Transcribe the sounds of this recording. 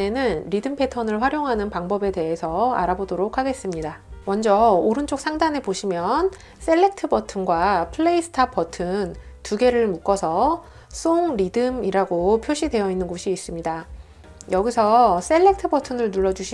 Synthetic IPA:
e̞nɯnɾidɯmpʰe̞tʰʌnɯɭɸwaɾjoŋɦanɯnpaŋbʌbe̞de̞ɦe̞sʰʌa̰ɾabodoɾokʰaɡe̞s͈ɯmɲidamʌnd͡ʑʌoɾɯnt͡ɕ͈ok̚s͈ʰaŋdane̞boɕʰimjʌn | s͈e̞ɭːe̞k̚tʰɯbʌtʰɯnɡwapʰɯɭːe̞isʰɯ̥tʰapʰʌtʰɯntuɡe̞ɾɯɭmuk͈ʌsʰʌ | s͈ʰoŋɾidɯmiɾaɡopʰjoɕʰide̞jʌinːɯnɡoɕʰiːs͈ɯmɲida | jʌɡisʰʌs͈e̞ɭːe̞k̚tʰɯbʌtʰɯnɯɭnuɭːʌd͡ʑuɕʰi

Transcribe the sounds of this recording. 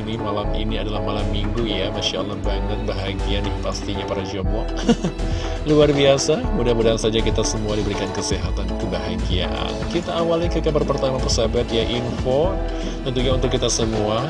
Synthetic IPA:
nimalamḭniadalahmalamːiŋɡujamaʃa̰lahbanət̪̚baɦaɡiandipast̪iɲapaɾad͡ʒomɔʔ | luarbiasamudamudasad͡ʒakit̪asəmuadibəɾikankəseɦat̪ankəbaɦaɡia̰nkit̪aːwalkəkabərpərt̪amapəsabat̪jaʔinfo | t̪ənt̪uɲaunt̪ʊkːit̪asəmua

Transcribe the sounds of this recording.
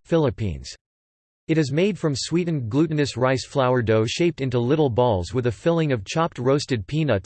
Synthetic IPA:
fɪlˠəpʰḭ̃nz̥ | ɨɾɨzmeɪd̥fɹʌ̃mswiʔn̩ɡlʉʔn̩ɨsɹaɪsflaʊə˞doʊʃeɪp̚tɪ̃ntulɪɾl̩ˠbɔlˠzwɨðɨfɪlˠɪ̃ŋʌv̥t͡ʃʰɑp̚t̚ɹoʊstɨd̚pʰĩnʌt

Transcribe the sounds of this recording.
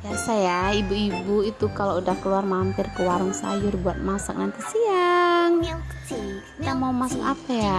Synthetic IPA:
jasajaibuibuit̪ukaloudahkəluarmampɪrkəwaɾʊŋsa̰jʊrbuat̪̚masa̰k̚nant̪isiaŋ | t̪amaumasakapaja

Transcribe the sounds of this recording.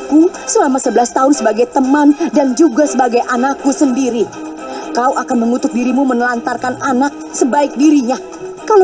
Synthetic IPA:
kusəlamasəbəlast̪aʊnsəbaɡajt̪əmandand͡ʒuɡasəbaɡajʔanakːusəndiɾi | kauʔakanməŋut̪ʊk̚diɾimumənəlant̪arkananak̚səbaɪk̚diɾiɲa | kal

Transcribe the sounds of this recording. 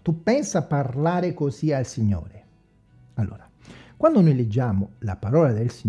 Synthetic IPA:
t̪upːɛnsaparlaːɾekosialsiɲːo̰ːɾe | alːo̰ːɾa | kwand̪onojled͡ʒːaːmʊlapaɾɔːlad̪elsi

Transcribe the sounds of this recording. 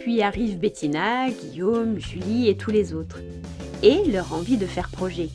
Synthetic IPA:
pɥiaʁivbet̪ʰinaɡʲijomʒyliet̪ʰulezot̪χ | elœʁɑ̃vid̪əfɛʁpχɔʒɛ

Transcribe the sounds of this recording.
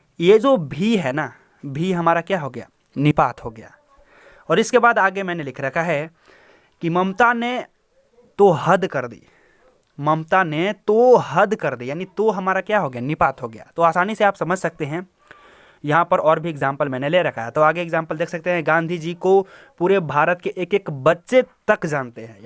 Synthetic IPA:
jed͡ʒoːbʱiɦɛːna | bʱiɦɐmaːɾakjaːɦoɡɐja̰ː | nɪpaːt̪ɦoɡɐja̰ː | ɔːɾɪskebaːd̪aːɡemɛ̃ːnelɪkʰɾɐkʰaɦɛ | kimɐmt̪ane | t̪oɦəd̪kɐɾd̪ḭː | mɐmt̪anet̪oɦɐd̪kɐɾd̪ijaːnit̪oɦɐmaːɾakjaːɦoɡɐjanɪpaːt̪ɦoɡɐja̰ːt̪oaːsaːniseaːpsɐməd͡ʒʱsɐk̚t̪eɦɛ̃ | jɐɦãpɐɾɔːɾbʱieɡzãːmpəlmɛːneleɾɐkʰaːjat̪oaːɡeeɡzãːmpəld̪eːkʰsɐk̚t̪eɦɛ̃ɡãːnd̪ʱid͡ʒiːkopuːɾebʱaːɾət̪keʔeːkeːkbɐtːʃet̪ɐkd͡ʒaːnt̪eɦɛ̃

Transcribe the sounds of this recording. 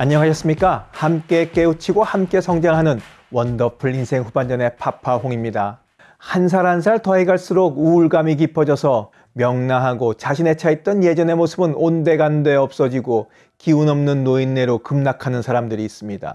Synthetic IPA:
aɲːʌŋaɕʰʌs͈ɯmɲik͈ahamk͈e̞k͈e̞ut͡ɕʰiɡohamk͈e̞sʰʌŋd͡ʑaŋɦanɯn | wʌndʌpʰɯɭːinsʰe̞ŋɸuband͡ʑʌne̞pʰapʰaɦoŋimɲida | hans̬ʰaɾans̬ʰaɭtʌɦeɡaɭs͈uɾoɡuːɭɡamik̬ipʰʌd͡ʑʌsʰʌ | mjʌŋnaɦaɡot͡ɕaɕʰine̞t͡ɕʰait̚t͈ʌnje̞d͡ʑʌne̞mosʰɯbɯnonde̞ɡande̞ʌp̚s͈ʌd͡ʑiɡo | kiunʌmnɯnːoinːe̞ɾokɯmnakʰanɯnsʰaɾamdɯɾiːs͈ɯmɲida̰

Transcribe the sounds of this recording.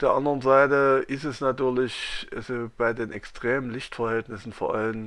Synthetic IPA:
fd̥eːɐʔandəʁənzaɪtəʔɪstɛsnatyːɐlɪçɛsb̥aɪdeːnʔɛkstʁ̥eːmənlɪçtfɛɐhɛltnɪsn̩foːɐʔa̰lən

